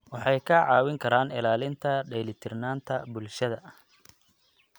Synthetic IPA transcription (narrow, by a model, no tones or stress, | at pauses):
wɑħɑjkʰɐʕɑːwɪŋkʰɐɾaːnɪlaːlɪnt̪ʰɐɖɛjlɪt̪ʰɪrnaːnt̪ʰɐbʊlʃɐðɐ